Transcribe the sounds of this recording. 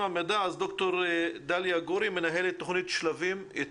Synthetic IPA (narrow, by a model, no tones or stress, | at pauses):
amed̪aːzd̪o̞kt̪o̞ʁd̪aljaɡoɾime̞naɦelet̪ːoχnit̪ʃlavime